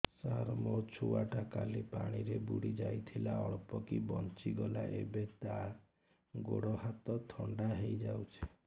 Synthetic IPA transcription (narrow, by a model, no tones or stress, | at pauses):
saɾmɔt͡ʃʰuwaʈakalepaɽ̃iɾebuɽid͡ʒajt̪ʰilaɔɭpɔkibɔnt͡ʃiɡɔla̰ʔḛbet̪a | ɡoɽɔhat̪ɔt̪ʰɔɳɖaɦejd͡ʒawt͡ʃʰe̥